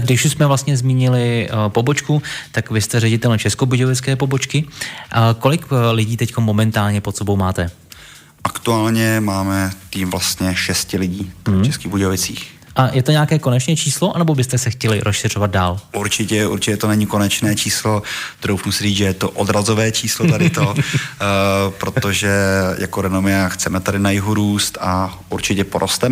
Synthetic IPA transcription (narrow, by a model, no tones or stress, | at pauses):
ɡdɪʃusmɛvlast̪ɲɛzmiːɲɪlɪpo̞bot͡ʃkut̪akvɪst̪ɛɾɛɟɪt̪ɛlt͡ʃɛskobuɟovɪt͡skɛːpo̞bo̞t͡ʃkɪʔko̞lɪklɪɟiːt̪ɛcko̞mmo̞mɛnt̪aːlɲɛpot̪sɛbo̞wmaːt̪ɛ | ʔakt̪uaːlɲɛmaːmɛtt̪iːmvlast̪ɲɛʃɛscɪlɪɟiːt͡ʃɛskiːɣbuɟovɪt͡siːx | ʔajɛt̪oɲeakɛːkonɛt͡ʃnɛːt͡ʃiːslo̞ʔanɛbo̞bɪst̪ɛsɛxcɛlɪɾʔosʃɪr̝ovad̪̚daːlʔuɾt͡ʃɪcɛṵɾt͡ʃɪcɛt̪onɛɲiko̞nɛt͡ʃnɛːt͡ʃiːslo̞d̪̥ɾowfnusɪɾiːt͡sʒɛjɛt̪oʔod̪ɾazovɛːt͡ʃʰiːslot̪adɪt̪o | pɾot̪oʒɛjʔa̰koɾɛnomɪaxt͡sɛmɛt̪adɪnajɪɦuɾuːst̪a | uɾt͡ʃɪcɛpoɾʔost̪ɛm